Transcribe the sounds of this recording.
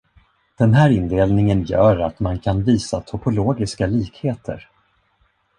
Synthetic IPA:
d̪̥ɛnɦæːɾɪnd̪eːlnɪŋənjœ̰ːɾat̪mankʰanviːsat̪ʰɔpʊloːɡɪskaliːkheːt̪ʰə̰ɾ

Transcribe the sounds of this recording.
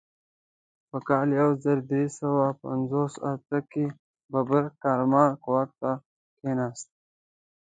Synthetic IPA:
pəkaːljawzəɾd̪ɾisəwapɐ̰nzoːsa̰t̪əki | bɐbəɾkaːɾmaːkuwat̚t̪ːa | keːnaːst̪

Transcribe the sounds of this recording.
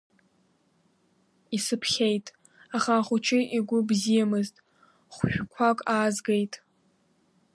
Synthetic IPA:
isɨpʰχʲe̞jtʼ | aχaːχʊt͡ʃʰɪʔiɡʷʊbzijamɨztʼ | χʷʃʷᶣkʷʰakʷʼaːzɡejtʼ

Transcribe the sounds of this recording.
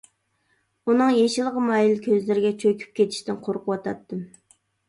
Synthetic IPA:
unɨŋjeʃilˠəʁəmɑjilkʲʰøzlɪɾɪɡʲɛt͡ʃʰøkʲʰy̥p̚kʲʰet̪ʰi̥ʃt̪ɪnqʰoɾqʰəwɑt̪ʰɑ̰t̪ːɨm

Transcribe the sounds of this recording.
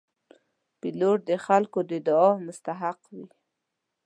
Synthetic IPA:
piloʈ̚d̪əxalkod̪əd̪əɑmʊst̪aɦaqwi

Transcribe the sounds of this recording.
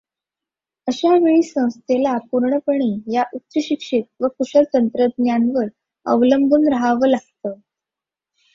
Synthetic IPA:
əɕaʋeɭiːsə̃w̃st̪ʰelapuɾɳəpəɳiːjaʔut̪ːɾəɕikʂit̪̚ʋəkuɕəlt̪ənt̪ɾəd̪njanʋəɾ | ə̰ʋləmbʱuːnɾaɦaʋəlaɡt̪ə

